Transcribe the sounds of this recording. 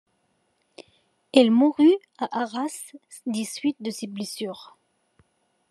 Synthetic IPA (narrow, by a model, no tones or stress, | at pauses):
ɛlmuʁy | aʔaʁas | d̪isɥit̪̚d̪əseblesyːʁ